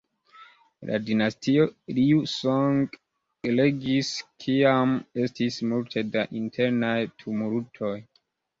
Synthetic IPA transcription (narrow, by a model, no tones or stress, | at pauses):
lʔa̰dinastio̞liusoŋɡ | ele̞ɡiskʰiame̞stismultʰe̞daʔintʰe̞ɾnajtʰumuɾutʰo̞j